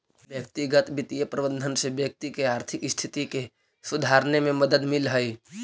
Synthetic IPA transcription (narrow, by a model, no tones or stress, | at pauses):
bjək̚t̪iɡət̪bit̪ijəpɾəbə̃nd̪ʱənsebjək̚t̪ikeaːɾt̪ʰɪkɪst̪ʰit̪ike | sud̪ʱaɾnemẽməd̪əd̪milɦəj